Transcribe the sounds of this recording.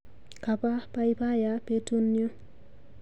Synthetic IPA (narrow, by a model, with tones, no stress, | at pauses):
ka˨pa˦pa˦i˦pa˦ja˨˦pe˦tu˦njo˦